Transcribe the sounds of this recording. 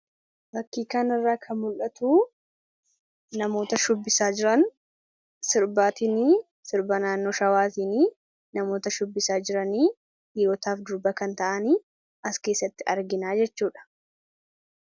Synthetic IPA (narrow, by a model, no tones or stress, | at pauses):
bɐkːiːkaːnɪrːaːkʰɐmʊlʔɐt̪uː | nɐmoːt̪ɐʃʊbːɪsaːd͡ʒɪɾɐn | sɪɾbaːt̪iniː | sɪɾbɐnaːnːo̞ːʃɐwaːt̪iniː | nɐmo̞ːt̪ɐʃʊbːɪsaːd͡ʒɪɾɐniː | dɪjoːt̪aːfd̪ʊɾbɐkɐnt̪ɐʔɐniː | ʔɐske̞ːsːɐt̪ːɪʔɐɾɡɪnaːd͡ʒɛt͡ʃːuːᶑɐ̥